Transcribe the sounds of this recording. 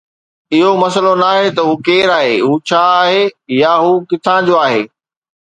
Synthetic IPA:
ɪɦomɐsəlonaːɦet̪ɐɦuːkeːɾaːɦeːɦuːt͡ɕʰaːɦejaɦuːkɪt̪ʰãːd͡ʑoaːɦḛː

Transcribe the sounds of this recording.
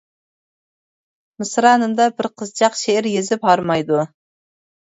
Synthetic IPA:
mɨsɾɑːnɨmd̪ɑbɪɾqʰəzt͡ʃʰɑqʃeɪɾjezɪphɑɾmɑjd̪u

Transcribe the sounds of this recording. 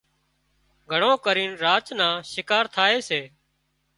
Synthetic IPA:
ɡʱəɳõːkəɾiːnɾaːt͡ʃnãːʃɪkaːɾt̪ʰaːeːseː

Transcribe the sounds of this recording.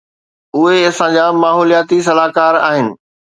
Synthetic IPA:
ʊɦeɐsãd͡ʑaːmaːɦoːlijaːt̪is̬ɐlaːkaːɾa̰ːɦɪnɪ̆

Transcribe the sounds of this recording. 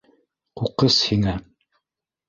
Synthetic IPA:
quqɤshiŋæ

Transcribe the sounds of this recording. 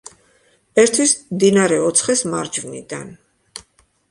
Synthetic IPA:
ɛɾt̪ʰwismd̪inaɾɛɔt̪sʰχɛsmaɾd͡ʒvnḭd̪a̰n

